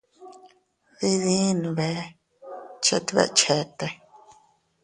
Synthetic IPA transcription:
βi˦ðĩ˦nũ˨βe˨˦ | t͡ʃḛ˧t̪e˧βḛ˧ʔt͡ʃe˨˦t̪e˧

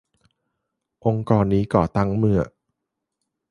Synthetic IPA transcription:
ʔo˧ŋkɔː˧nːiː˦˥kɔ̰ː˨˩t̪a˦˥ŋmɯ˧ɐ

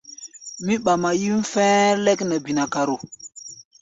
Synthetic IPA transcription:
mi˦ɓa˨ma˨ji˦m˦fɛ˦le˦knə˨bi˨na˨ka˨ɾo˨

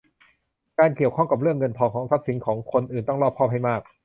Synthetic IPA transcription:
kaː˧nki˨˩əwkʰɔ˥˩ŋka˨˩p̚ɾɯ˥˩əŋːɤ˧npʰɔː˨˩kʰɔː˩˦ŋsa˦˥t̪̚si˨˩˦nkʰɔː˩˦ŋkʰo˧nʔɯː˨˩nt̪ɔ˥˩lɔː˥˩p̚ʰɔː˥˩p̚ha˥˩jmaː˥˩k̚

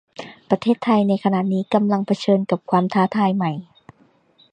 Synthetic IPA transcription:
pɾa˧t̪ʰeː˥˩t̪ʰːa˧jna˧jkʰa˧na˨˩niː˦˥ka˧mla˧ŋpʰa˧t͡ɕʰɤː˧nka˨˩p̚kʰwaː˧mt̪ʰaː˧˥t̪ʰaː˧jma˧˩j

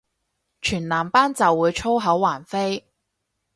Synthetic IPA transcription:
t͡ʃʰyː˨˩nlaː˨˩mpaː˥nt͡sɐ˨wːuː˨˧jt͡ʃʰo˥wɦɐ˨˥wːaː˨˩nfe˥j

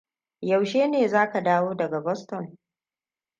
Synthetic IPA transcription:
ja˨wʃeː˦neː˨zaː˦ka˨daː˦woː˦dɐ˨ɡa˨bɔ˦stɔ˨n

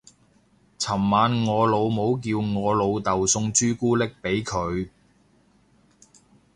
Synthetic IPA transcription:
t͡sʰɐ˨˩mːaː˨˧nŋɔː˨˧lo˨˧wmo˨˧wk̬iː˧wŋɔː˨˧lo˨˧wt̪ɐ˨wsʊ˧ŋt͡ʃyː˥kuː˥lɪ˥k̚pe˨˥jkʰɵ˨˧ɥ

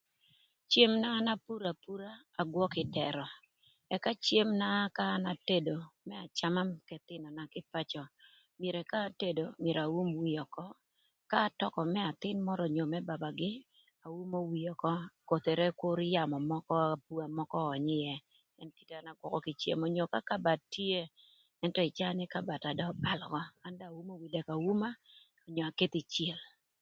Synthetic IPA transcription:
t͡ʃje˦mnaː˦na˦pu˦ɾa˨pu˦ɾaː˦˨ɡwɔ˦kɪ˨dɛ˨ɾɔ˨ | ɛ˨ka˦t͡ʃje˦mna˦kaː˦na˨te˦do˨mɛ˦a˨t͡ʃa˦ma˦mkɛ˨t̪ɪ˦nɔ˨na˦kɪ˦pa˦t͡ʃɔ˨ | mje˨ɾɛ˨kaː˦te˦do˨mje˨ɾa˨wu˦mwi˨jɔ˨kɔ˦ | kaː˦tɔ˦kɔ˨mɛ˦a˨t̪ɪ˦nmɔ˦ɾɔ˨ɲo˨mɛ˦ba˨ba˨ɡɪ˦ | a˨wu˦mo˦wi˨ɔ˨kɔ˦ko˨t̪e˨ɾe˦kʊ˦ɾɪ˦ja˨mɔ˨mɔ˦kɔ˦a˨pu˦a˨mɔ˦kɔː˦˨ɲɪ˦jɛ˦ | ɛ˦nti̥˦te˦a˨na˨ɡwɔ˨kɔ˦kɪ˨t͡ʃḛ˨mɔ˨ɲo˨ka˦ka˦ba˨tːi˦e˦ | ɛ˦ntɔ˦ɪ˨t͡ʃa˦nɪ˦ka˦ba˨ta˨dɔ˦ba˨lkɔ˦ka˦nda˨wu˦mo˦wi˨dɛ˨ka˨wu˦ma˦ | ɔ˨ɲɔ˨a˨ke˦t̪ɪ˨t͡ʃje˨l

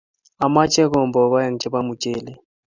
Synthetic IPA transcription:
a˨ma˦t͡ʃʼɛ˦k̬ɔ˨mbɔ˨βa˦ja˨ŋ̩˨t͡ʃʰʼɛ˦ba˦mu˨t͡ʃʼeː˨lɛ˦

